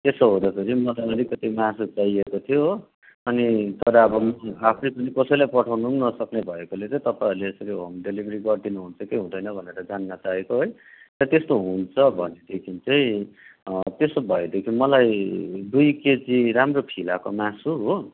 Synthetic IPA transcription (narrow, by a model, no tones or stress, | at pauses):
t̪esoɦod̪ʌpʰeɾimʌd̪alaɾikʌt̪imasut͡saiekot̪ʰijo | ʌnit̪ʌɾʌʌbʌmʌapʰnepʌnikʌsʌjlajpʌʈʰawnunʌsʌknebʱʌekolet͡sʌ̃t̪ʌparleʌsʌɾiomɖelibʱɾiɡʌrd̪inuɦunt͡sʰʌkeɦũd̪ʱʌjnʌbʱʌneɾʌd͡zanːʌt͡saɦekoɦoj | t̪ʌɾʌt̪est̪oɦunt͡sʰʌbʱʌned̪ekʰint͡sʌĩ | t̪esobʱʌed̪ekʰinmʌlajd̪ujked͡ziɾamropʰilakomãsuɦo